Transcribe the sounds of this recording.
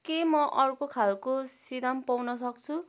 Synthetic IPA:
kemʌʔʌrkokʰalkosid̪ampawnʌs̬ʌkt͡sʰu

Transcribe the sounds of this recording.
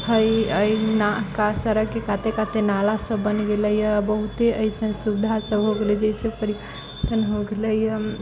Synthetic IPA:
həjənakasəɾəɡkːekat̪ekat̪enalasəbːənɡeləjəbəɦut̪eʔəjsə̃nsubd̪ʱasəbɦoɡelɛd͡ʒəisẽpəɾi | t̪ənɦoɡeləjə

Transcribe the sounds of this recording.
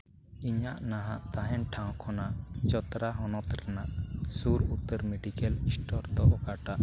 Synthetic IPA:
iɲaʔnaɦaʔt̪aɦɛnʈʰãw̃kʰɔnaʔt͡ʃɔt̪ɾaɦɔnɔt̪ɾanaʔsuɾut̪əɾmɛɖikɛlisʈʰɔɾd̪ɔʔɔɡaʈaʔ

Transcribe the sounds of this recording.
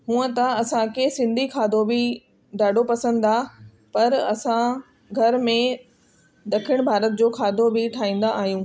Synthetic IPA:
ɦũːə̃t̪ɐɐsãkesɪ̃nd̪ʱikʰaːd̪ʱobʱi | ɖaːɖʱopɐsə̃nd̪aː | pɐɾɐsã | ɡʱɐɾmẽ | d̪ɐkʰɪəɽ̃bʱaːɾət̪̚d͡ʑoːkʰaːd̪ʱobɪʈʰaːĩːn̆d̪aʔaːɦijũː

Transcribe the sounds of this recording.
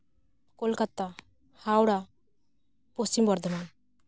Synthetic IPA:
kolkat̪a | haːwɽa | posimbɔɾd̪ʱəman

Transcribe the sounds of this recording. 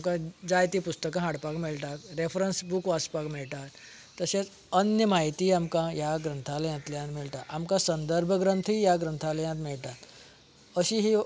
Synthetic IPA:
mkãd͡ʒajt̪ipust̪əkãɦaɽpakmelʈat̪ɾefʰɾənsbukʋaspakmeɭʈat̪ | t̪əsẽt͡s | ənjəmait̪iamkãjaɡɾə̃nt̪ʰaljãt̪ljãt̪milʈ̪aʔamkãsənd̪əɾbʱəɡɾə̃nt̪ʰijaɡɾə̃nt̪ʰaljãt̪meɭʈat̪ | əɕiɦi

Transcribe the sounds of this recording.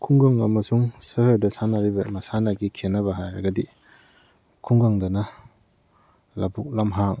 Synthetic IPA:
kʰuŋɡaŋɐmɐsuŋsɯhəɾdɐsanaɾibɐmɐsanaɡikʰenɐbɐɦajɾɐ̰ɡadi | kʰuŋɡaŋdɐnɐ | labuk̚lamɦaŋ

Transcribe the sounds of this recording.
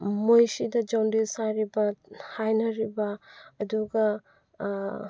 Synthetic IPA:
mojsidɐd͡ʒawndelsaɾibɐhajnɐɾibɐːduɡɐ

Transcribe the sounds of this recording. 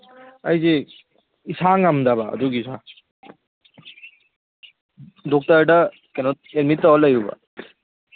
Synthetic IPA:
ajze | isaŋamdaβa̰ːduɡisa | dɔk̚tɐɾdɐ | kenɔt̚eɾmitːaɔlajɾuba̰

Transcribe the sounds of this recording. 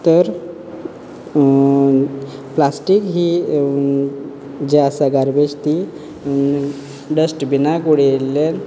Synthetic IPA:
t̪əɾ | plasʈikɦiː | d͡ʑeasaɡaɾbet͡ɕt̪i | ɖəsʈbinakoɽelːen

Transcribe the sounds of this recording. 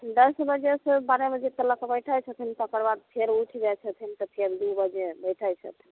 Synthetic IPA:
d̪əsbəd͡ʒesəbaɾebəd͡ʒet̪ələkebəʈʰajt͡ʃʰət̪ʰint̪ɔokəɾbad̪̚pʰeɾuʈʰd͡ʒat͡ʃʰət̪ʰint̪ɔpʰeɾd̪ubəd͡ʒebəjʈʰajt͡ʃʰə̰t̪ʰin

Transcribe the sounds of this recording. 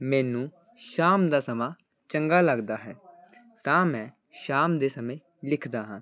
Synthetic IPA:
mɛ̃ːnũː | ʃaːmd̪aːsəmãː | t͡ʃə̃ŋɡaːləɡd̪aːɦɛː | t̪ãːmɛ̃ː | ʃaːmd̪eːsəmẽː | lɪkʰd̪aːɦãː

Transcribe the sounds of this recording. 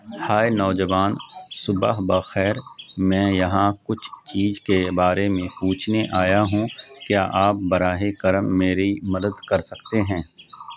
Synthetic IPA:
haːenɔːd͡ʒəʋaːnsʊbəɦbaxɛːɾmɛ̃ːjɐɦãkʊt͡ʃʰt͡ʃiːzkebaːɾemẽpuːt͡ʃʰneʔaːjaɦũkjaːʔaːp̚bɐɾaːɦekɐɾəmːeːɾimɐd̪əd̪kɐɾsɐkt̪eɦɛ̃ː

